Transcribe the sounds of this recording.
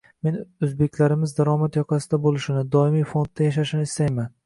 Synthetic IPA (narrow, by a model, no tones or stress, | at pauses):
me̞nɵzbe̞kʲlaɾɪmɪzd̪aɾɒmat̪jɒqʰɑsɪd̪abolˠɪʃɪnɪd̪ɒɪmijfo̞nd̪ːajaʃ̬aʃɪnɪɪst̪ajman